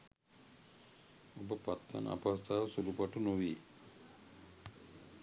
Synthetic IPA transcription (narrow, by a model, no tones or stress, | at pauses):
obəpat̪ʋa̰na̰past̪ʰaːʋsulupaʈunoʋi